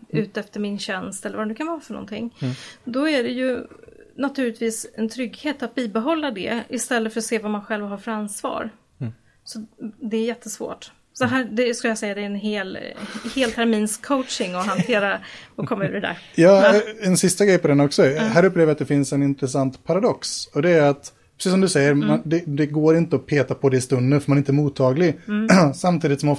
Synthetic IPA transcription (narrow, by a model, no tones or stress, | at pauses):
ʉ̟ːt̪ɛft̪əɾmɪnɕɛnst̪ɛlːəɾvad̪ɵkʰanvɑːɾafœɳɔ̰nt̪ʰɪ̰ŋːd̪ɔæɖɛjɵ | nat̪ʰʉlɪt̪viːsɛnt̪ʰɾʏɡːheːt̪at̪̚biːbɛɦɔlːad̪ɛ̰ɪst̪ɛlːəfœɾɔseːvamanɧɛlvɦaɾfœɾanːsvɑ̰ːɾ | sɔd̪ɛːɾjɛt̪ʰːəsvo̰ːʈ | sɔɦæːd̪ɛskɵljasɛjːad̪ɛːɾɛnɦeːlheːlt̪ʰæɾmiːnskʰoʊtt͡ʃɪŋɔɦant̪ʰeːɾaɔkʰɔmːaʉːɾɛd̪æ̰ɾjɑːɛnsɪst̪aɡɾɛjpʰɔd̪ɛnːɔksɔɦæːɾɵpːleːvjat̪̚d̪ɛfɪnsɛnɪnt̪ɾɛsant̪pʰaɾad̪ɔksɔd̪ɛæɾat̪ | pʰɾɛsiːsɔmd̪ɵsɛjːəɾmand̪ɛd̪ɛɡoːɾɪnt̪əɔpʰeːt̪apʰɔd̪ɛɪst̪ɵnd̪ənfœɾmanɪnt̪əæɾmuːt̪ʰːɑːɡlɪɡsamt̪ʰiːd̪ɪt̪sɔmɔ